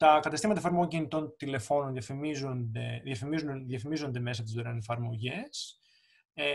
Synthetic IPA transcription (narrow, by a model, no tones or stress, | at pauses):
t̪ɐkɐt̪ɐst̪imɐt̪ɐfɐɾmoɣoɲcinit̪o̞nt̪ile̞fo̞nonðjɐfimizond̪e̞ðjɐfimizuðjɐfimizo̞nd̪e̞me̞sɐt̪izoɾenefɐɾmo̞ʝe̞s